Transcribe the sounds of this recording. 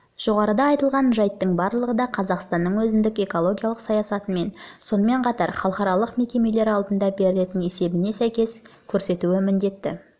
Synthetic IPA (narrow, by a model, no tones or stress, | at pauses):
ʒ̥o̞ʁɑɾəd̪ɑːjt̪əlˠʁɑnʒɑjt̪ːəɴbɑɾlˠəʁəd̪ɑqʰɑzɑqst̪ɑnːəɴwɵzɪnd̪ɪke̞ko̞lˠo̞ɡʲijalˠəqsɑjɑsɑt̪ənme̞nso̞nəme̞ɴqʰɑt̪ɑɾχɑlˠəqɑɾɑlˠəqme̞kʲe̞me̞le̞ɾɑlˠd̪ənd̪ɑbe̞ɾɪle̞t̪ɪne̞se̞bɪne̞sæjkʲe̞skʲʰɵɾse̞t̪uɪmɪnd̪e̞t̪ːɪ̰